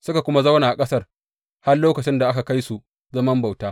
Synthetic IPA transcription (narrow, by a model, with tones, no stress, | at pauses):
sʊ˦ka˨kʷʊ˦ma˦za˦wnaː˨ʔa˨kʼɐ˦sɐ˦r | ha˦rloː˦kɐ˨t͡ʃɪ˦nda˨ʔa˦ka˨ka˦jsu˨ | zɐ˦mɐ˦mba˨wtaː˦